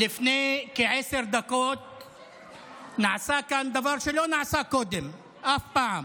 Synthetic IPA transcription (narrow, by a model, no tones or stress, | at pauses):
lɪfnekeʕesɪɾd̪akoːt̪̚ | naʕsaːkand̪avaɾʃelonaʕsakoːd̪ɪm | ʔafpaʕam